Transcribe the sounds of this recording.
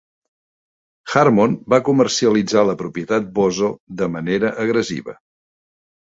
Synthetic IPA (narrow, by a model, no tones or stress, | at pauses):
xarmonbakumərsiəlid͡zaləpɾupiət̪at̪̚bozod̪əməneɾəʔəɣɾəzḭβə̰